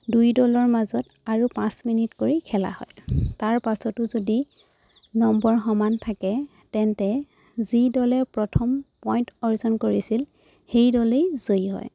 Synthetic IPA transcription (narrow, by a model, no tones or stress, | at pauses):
dujdɔlɔɹmazɔt | aɹupãsminitkoɹikʰɛla̰hɔ̰jtaɹpasɔtʊzodi | nɔmbɔɹxɔmantʰakɛ | tɛntɛ | zidɔlɛpɹɔtʰɔmpɔjntɔɹzɔnkoɹisil | xejdɔlejz̥ojɦɔ̰j